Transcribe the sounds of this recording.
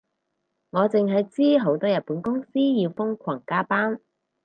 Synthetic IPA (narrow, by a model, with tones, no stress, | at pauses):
ŋɔː˨˧t͡sɪ˨ŋɦɐ˨jt͡siː˥ɦo˨˥wt̪ɔː˥jɐ˨t̚puː˨˥nkʊ˥ŋsiː˥jiː˧wfʊ˥ŋkʷʰwɐ˨˩ŋkaː˥paː˥n